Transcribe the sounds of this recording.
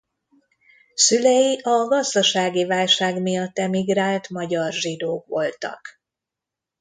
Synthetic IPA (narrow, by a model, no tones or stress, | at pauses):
sylɛjiʔɒɡɒzd̪ɒʃaːɡivaːlʃaːɡmijɒt̪ːɛmiɡraːlt̪mɒɟɒrʒid̪oːkʋo̞lt̪ɒ̰k